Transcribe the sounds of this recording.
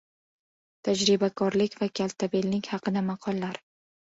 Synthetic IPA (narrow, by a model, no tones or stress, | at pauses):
t̪ʰad͡ʒɾɪbakʰɒɾlɪkʲvakʲʰalˠt̪ʰabelnɪkʲhɑqɨd̪amɑqʰɒlˠːaɾ